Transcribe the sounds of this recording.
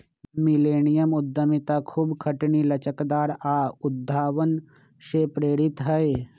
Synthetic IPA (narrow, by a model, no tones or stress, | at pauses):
mɪleːnɪjəmʊd̪ʱːəmɪt̪akʰuːbkʰəʈnilɐt͡ʃəkd̪aːɾaːʊd̪ʱːaːʋən | ʃeːpɾeːɾɪt̪ɦəe